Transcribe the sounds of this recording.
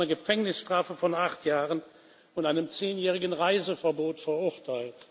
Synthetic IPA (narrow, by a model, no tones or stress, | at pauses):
nɐɡəfɛŋnɪsʃtʁ̥aːfəfɔnaχtjaːʁən | ʊntaɪnəmt͡seːnjɛːʁɪɡən̩ʁaɪzəfɐboːtfɛɐʔʊtʰaɪlt